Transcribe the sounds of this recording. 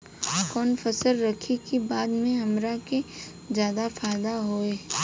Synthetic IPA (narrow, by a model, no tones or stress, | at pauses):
kɔːnfɐsəlɾɐkʰikibaːd̪mẽɦɐmɾake | zjaːd̪afaːd̪aɦoːeː